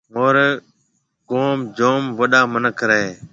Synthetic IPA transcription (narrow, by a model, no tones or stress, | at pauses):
ɦoːɾ | koːmd͡ʒoːmʋəɗaːmənəkʰɾəɦeː